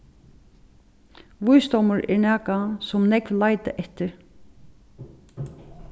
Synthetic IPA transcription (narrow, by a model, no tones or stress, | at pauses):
ʋʊjsd̪ɔwmʊɹɛ̰ɹnæːkasɔmnɛkvlaːjt̪ɪ̰ʔɛht̪ɪɹ